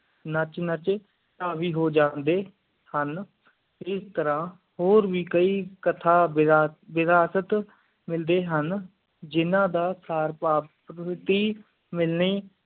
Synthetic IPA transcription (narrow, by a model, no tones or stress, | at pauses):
nət͡ʃnət͡ʃ | aːʋiːɦoːd͡ʒãːnd̪eː | hən | ɪst̪əɾãː | hoːɾʋiːkəiːkət̪ʰaːʋɪɾaːsət̪ | mɪld̪eːɦən | d͡ʒɪnãːd̪aːsaːɾpaːpɾəɪt̪iː | mɪlniː